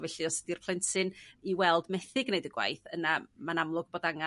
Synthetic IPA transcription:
vɛɬiɔsə̥dirpʰlˠɪntʰɨniwɛlˠdmɛθɪɡnejdəɡwa̰jθənamanamlˠʊɡ̚b̥oːdaŋa

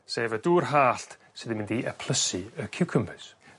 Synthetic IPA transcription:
seːvəduːrɦaːɬt̪ | sɪðimɪ̃ndiʔə̰pʰl̥ˠəsiəkʰuwkʰəmpʰɪ̥s

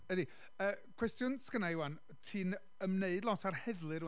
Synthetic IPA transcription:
əði | əːkʰw̥ɛstjʊnskənaɪwan | tʰɨːn | əmneɨdˡlˠɔtʰarhɛðlˠɨɾ

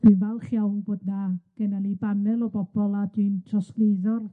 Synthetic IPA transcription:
d̥invalˠχjawnboːdnaɡ̥ɛnalibanɛlˠɔbɔb̥ɔlˠad̥wintʰrɔspleðɔr

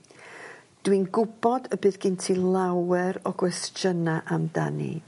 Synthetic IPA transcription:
d̥winɡʊbɔdəbɨːðɡ̥ɪntʰilˠawɛɾɔɡwɛsd͡ʒənaʔamda̰nḭ

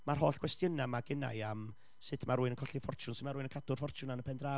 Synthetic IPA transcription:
marɦoːɬkwɛstjənamaɡəna̰ɨam | sɨtʰmaɾuːɨnənkʰɔɬifɔrt͡ʃʊnsɪdmaɾuːɨnənkʰadʊrfɔrt͡ʃʰʊnanəpʰɛndraː

